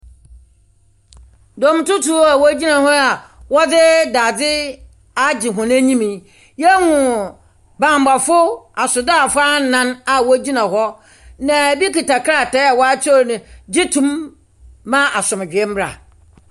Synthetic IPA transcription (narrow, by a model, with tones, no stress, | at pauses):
dɔ̃˨m˨˦tʊ˦tʰu˨˦a˨wɔ˦d͡ʑi˦nã˨ɦɔ˦a˨wɔ˦dɪ˦daː˨dɪ˦ | a˦d͡ʑɪ˨ɦʊ̃˨nã˦ɲĩ˦mĩ˨ | jɛ˦hʊ̃˨ | bã˨m˦ba˨fʊ˦a˨sʊ˨da˦˨fʊ˦a˦n˨˦nã˦na˨wɔ˦d͡ʑi˦nã˨ɦɔ˦ | nã˨bi˦ki˨ta˨kʰɾa˦˨tɛ˦a˨wɔ˦a˦t͡ɕʰɔ˦˨nʊ̃˨d͡ʑɪ˦tʰũ˦mː | ã˦a˨sʊ̃˨m˨d͡ʑᶣɛ˦m̩˦bɾa̰˨